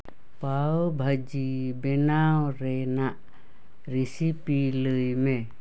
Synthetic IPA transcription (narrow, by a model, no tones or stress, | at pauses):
pawbʱəd͡ʒibɛnawɾɛnaʔ | ɾisipiləjmɛ